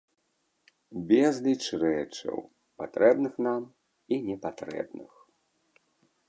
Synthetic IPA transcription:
bʲɛzlʲit͡ʂrɛt͡ʂɐ̰w | pat̪ɾɛbnɨxnam | inʲɛpat̪ɾɛ̰bnɨ̰x

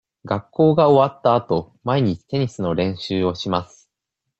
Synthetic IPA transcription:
ɡakːo̞ːɡao̞βat̪ːaːt̪o̞ | maiɲ̟it͡ɕi̥t̪e̞ɲ̟isɨno̞ɾẽ̞ɰ̃ɕɨːo̞ɕimasɨ̥

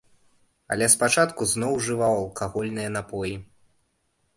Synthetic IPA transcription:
ɐ̰lʲɛspat͡ʂat̪kuznɔwʐɨvawɐlˠkaɣɔlʲnɨjɐnapɔji

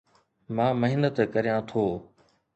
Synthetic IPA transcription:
mãːməɦɪnət̪kɐɾijãːt̪ʰoː

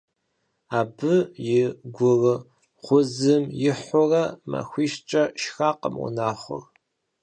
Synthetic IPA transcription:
aːbɨjɪɡʷʊrɨ | χʷʊzɨmjɪħʷʊrɐmɐ̰xʷiːʃt͡ʃʼɐʃxaːqəmwʊ̰naːχʷʊ̰r

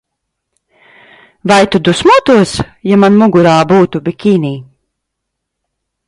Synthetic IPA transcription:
vajt̪ud̪usmuɔt̪uɔsjamanmuɡuɾaːbuːt̪ubikʲiːniː

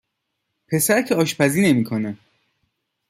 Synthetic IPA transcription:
pʰe̞sæɾcʰeɒːʃpʰæziːne̞miːkʰone

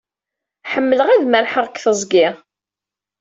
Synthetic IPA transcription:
ħəmːələʁæðməɾħəʁəkːθəzˤɡɪ

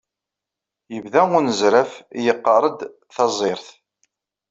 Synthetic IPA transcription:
jəvðæʊnəzɾæfjəqːɑɾˤəd̪ | θɑzˤɪɾθ

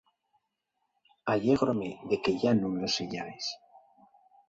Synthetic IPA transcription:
aʎeɣɾomeðekeʎanũŋloseʎajs

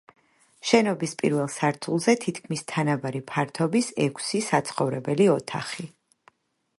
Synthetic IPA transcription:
ʃɛnɔbispʼḭɾvɛlˠsaɾt̪ʰulˠzɛt̪ʰit̪ʰkʰmist̪ʰanavaɾipʰaɾt̪ʰɔbisɛkʰsisat̪sʰχɔvɾɛbɛliɔt̪ʰaχi

